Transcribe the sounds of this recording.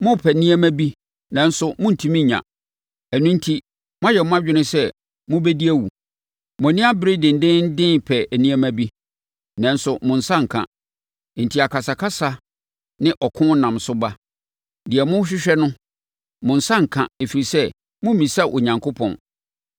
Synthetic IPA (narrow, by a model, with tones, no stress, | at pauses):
mʊ̃˦pʰɛ˨nĩ˦æ˦mæ̃˦bi˦ | nã˨n̩˦sʊ˦mʊ̃˦n̩˨tʰĩ˦mĩ˦˨ɲã̰˨ | æ˨nũ˦n̩˦tʰi˦ | mʊ̃˦a˦jɛ˨mʊ̃˦a˦d͡ʑᶣɪ˦nʊ̃˦sɛ˦ | mʊ̃˦bɛ˦di˦æ˦wṵ˨ | m˨ɔ̃˨nĩ˦a˦bɪ˦ɾɪ˦dɪ̃˨n̩˨dɪ̃˦n˦dɪ̃˦npʰɛ˨nĩ˦æ˦mæ̃˦bi˦ | nã˨n˦sʊ˨mʊ̃˨n̩˨sã˦ŋ̩˨kʰã̰˨ | n̩˨tʰi˨a˨kʰa˨sa˨kʰa˦sa˨ | nɪ̃˦ʔɔ˨kʰʊ̃˦nã˨msʊ˦ba˦ | dɪ˨ɛ˨mʊ̃˦ɕ̬ᶣɪ˦ɕᶣɛ˦nʊ̃˦ | mʊ̃˨n̩˨sã˦ŋ̩˨kʰã̰˨e˨fi˨ɾi˨sɛ˦ | mʊ̃˦mĩ˨sa˦˨ʔo˨ɲã˨ŋkʰo˦pʰɔ̰̃˨n